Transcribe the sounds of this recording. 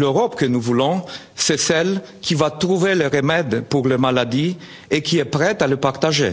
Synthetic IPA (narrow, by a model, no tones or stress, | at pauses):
løʁɔpkənuvulɔ̃ | sɛsɛl | kʰʲivat̪ʁuveləʁəmɛd̪puʁləmalad̪i | ekʰʲiɛpʁɛt̪aləpaʁt̪aʒe